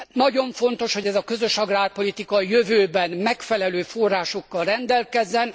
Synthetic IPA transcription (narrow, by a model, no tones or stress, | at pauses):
nɒɟo̞ɱfo̞nt̪o̞ʃho̞ɟɛzɒkø̞zø̞ʃɒɡraːrpo̞lit̪ikɒjøvøːbɛnmɛkfɛlɛløːfo̞rːaːʃo̞kːɒlrɛnd̪ɛlkɛzːɛn